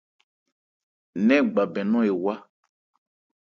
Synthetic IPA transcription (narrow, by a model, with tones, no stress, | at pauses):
nɛ̃˦ɡ͡ba˨bɛ˨nɔ̃˦e˨wa˦